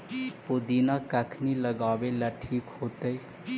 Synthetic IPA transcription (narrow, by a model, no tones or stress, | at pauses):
pod̪inakəkʰniləɡaːbelaʈʰiːkhoːt̪əi